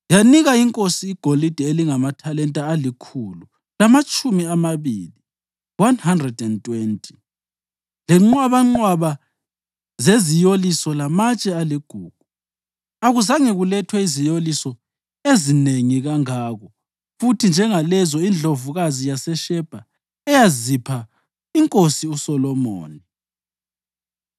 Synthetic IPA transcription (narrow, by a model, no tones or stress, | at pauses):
janiɣaiŋkʼosiːɡ̥ʱolid̥ʱɛeliŋamatʰalɛntʼaːlikʰulu | lamat͡ʃʼumiamaβiːli | wanhandrɛdɛntʼwentʼi̥ | lɛŋ͡ǁɔaβaŋ͡ǃwaβa | zezijolisɔlamat͡ʃʼɛaliɡ̥ʱuːɡ̥ʱu | aɣuzaŋeɣulɛtʰwɛizijolisɔ | ezineŋiɣaŋaːɣɔ | futʰind͡ʒʱɛŋalɛzɔind͡ɮʱovuɣazijasɛʃɛb̥ʱa | ɛjazipʰa | iŋkʼosiusɔlɔmo̰ːni